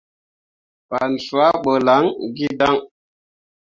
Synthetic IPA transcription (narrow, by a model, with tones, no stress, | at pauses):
pa˨nɬu˨a˦ɓo˨la˨˦ŋɡi˦da˦ŋ